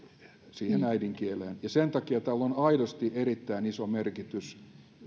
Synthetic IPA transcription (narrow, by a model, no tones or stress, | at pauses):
siːhenæidiŋkieleːnjɑsent̪ɑkiɑt̪ælːonɑidost̪iʔerit̪ːæinisomerkit̪ys